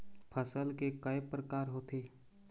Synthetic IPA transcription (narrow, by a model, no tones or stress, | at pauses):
pʰəsəlkekəepɾəkaːɾɦoːt̪eː